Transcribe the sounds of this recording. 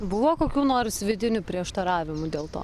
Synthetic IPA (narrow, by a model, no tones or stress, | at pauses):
bʊʋoːkoːkʲuːnoːrsʋʲɪd̪ʲɪnʲupʲɾʲiɛʃt̪ɐɾɑːʋʲɪmʊd̪ʲeːlˠt̪o̰ː